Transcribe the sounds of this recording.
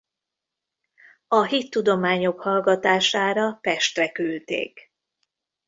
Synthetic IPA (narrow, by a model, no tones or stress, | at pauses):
ɒɦit̪ːud̪o̞maːɲo̞khɒlɡɒt̪aːʃaːɾɒpɛʃt̪rɛkylt̪ḛːk